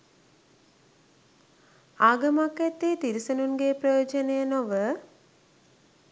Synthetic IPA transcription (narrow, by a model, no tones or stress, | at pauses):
aːɡəmakːæt̪ːeːt̪iɾisənunɡeːprəjoːd͡ʒənejənoʋə